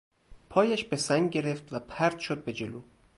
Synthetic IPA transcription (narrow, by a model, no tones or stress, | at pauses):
pʰɒːjæʃbe̞sæŋɡɟe̞ɾe̞ft̪væpʰæɾd̪̥ʃod̪̚be̞d͡ʒeloː